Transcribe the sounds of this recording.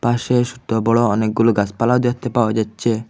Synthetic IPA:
paʃeʃud̪ɔbɔɭɔɔnek̚ɡuloɡaspalawd̪et̪epawd͡ʒatːt͡ʃʰe

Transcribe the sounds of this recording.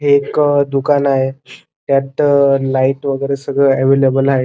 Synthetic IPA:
ɦekd̪ukanaɦe | t̪jat̪laiʈʋəɡəɾesəɡʱɭəɛʋelebəlaɦe

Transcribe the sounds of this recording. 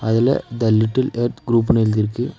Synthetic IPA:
ɐðɪlɐ̰d̪ɐlːɪʈːɪleːɾt̪ɡɾuːp̬ːneːld̪ɪɾɯkːɯ

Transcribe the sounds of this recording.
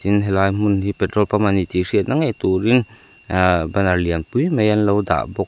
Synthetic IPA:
inɦɛlajm̥unhipɛt̪ɾɔlpamanːitisit̪̚naŋajt̪uɾin | banaliənpujmejanlowda̰ʔbɔk̚

